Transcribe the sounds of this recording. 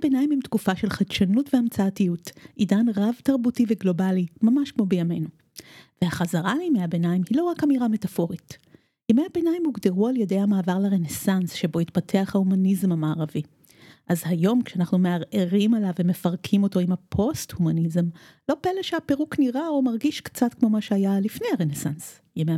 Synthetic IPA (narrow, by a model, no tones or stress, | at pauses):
benajimimtkufaʃe̞lχadʃanutveamt͡saːtijutʔidanʁavtaʁbutiveɡlo̞balimamaʃkmo̞bejame̞nu | vehaχazaʁalemejabenaimhilo̞ʁakamiʁame̞tafo̞ʁit | jamejabenajimuɡdeʁualjede̞jhamaːvaʁlaʁenesansʃebo̞itpatʰe̞aχhahumanizmamaːʁavi | ʔazhajo̞mkʃeanaχnumeaʁʔeʁimalavemefaʁkʰimo̞to̞imapʰo̞sthumanizm | lo̞peleʃeapeʁukniʁaomaʁɡiʃkt͡satkmo̞maʃeajalifne̞jhaʁenesans | jeme